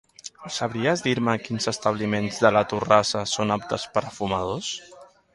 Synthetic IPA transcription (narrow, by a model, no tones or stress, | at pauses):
səβɾiəzðiɾməkinzəst̪əβ̞limenzðələt̪urasəsonap̚t̪əspəɾfuməð̞os